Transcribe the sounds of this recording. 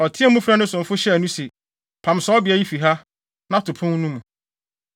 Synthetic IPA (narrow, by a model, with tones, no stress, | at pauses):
ɔ˨tʰɪ̃˦a˦mũ˦fɾa˦nʊ̃˦sʊ̃˨m˨fʊ˦ɕɛ˦æ˨nũ˦se˨ | pʰã˨msɔ˨˦bɪ˨æ˨ji˦fi˨ɦa˦ | nã˦tʰʊ˨pʰʊ̃˦nnũ˦m˨